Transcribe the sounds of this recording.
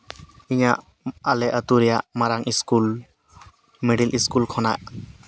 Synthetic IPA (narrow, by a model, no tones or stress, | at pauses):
iɲaʔ | alɛʔət̪uɾijaʔmaɾaŋʔiskul | mɛɖilʔiskulkʰɔna̰ʔ